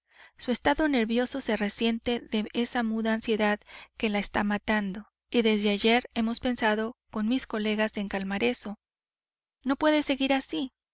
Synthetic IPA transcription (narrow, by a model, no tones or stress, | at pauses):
sue̞st̪aðo̞ne̞ɾβjo̞so̞se̞re̞sje̞nt̪e̞ðe̞ʔe̞samuðaːnsje̞ðaðke̞laest̪amat̪and̪o̞ | iðe̞zðe̞aʝe̞ɾe̞mo̞spe̞nsaðo̞ko̞nmisko̞le̞ɣase̞ŋkalmaɾe̞so̞ | no̞pwe̞ðe̞se̞ɣiɾasi